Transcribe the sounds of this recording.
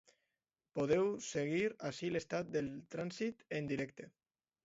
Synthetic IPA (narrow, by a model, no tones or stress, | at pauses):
poð̞ewseɣ̞iɾaʃilest̪at̪̚d̪elˠt̪ɾansit̪end̪iɾɛk̚t̪e